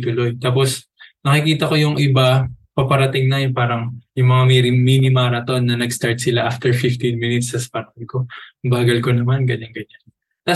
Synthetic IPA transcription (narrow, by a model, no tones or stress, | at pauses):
t̪ʊlo̞jt̪aːpo̞s | nɐkɪkiːt̪ɐko̞jʊŋʔɪbapɐpɐɾɐt̪ɪŋnɐjʊnpaːɾɐŋjʊŋmɐŋamiɾɪminɪmaːɾɐt̪o̞nːɐnɐɡst̪aɹt̪̚sɪlaʔaft̪ɛɹfɪft̪inmɪnɪt̪sɐsɐ̥pɐɾɐɐd̪̚ko̞baːɡɐlko̞nɐmanɡɐɲanɡɐɲan | t̪a